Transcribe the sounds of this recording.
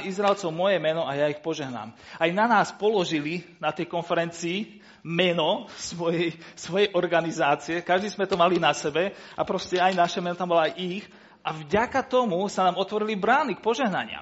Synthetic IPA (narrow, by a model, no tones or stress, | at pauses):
izɾaɛlt͡sɔʊmɔjɛmɛnɔajaixpɔʒɛɦna̰ːmajnanaːspɔlɔʒilinat̪ɛjkɔnfɛɾɛnt͡siː | mɛnɔsʋɔjɛjsʋɔjɛjʔɔɾɡanizaːt͡siɛkaʒd̪izmɛt̪ɔmalinasɛbɛapɾɔscɛajnaʃɛmɛnɔt̪ambɔlɔajix | ʔavɟakat̪ɔmusanaːmɔt̪ʋɔɾilibɾaːnik̚pɔʒɛɦna̰ɲɪa̰m